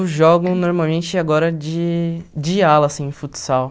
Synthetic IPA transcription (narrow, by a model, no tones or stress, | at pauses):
ʒɔɡõnoɾmawmẽnt͡ʃɪaɡɔɾɐd͡ʒɪd͡ʒɪalɐsĩẽfut͡ʃsaw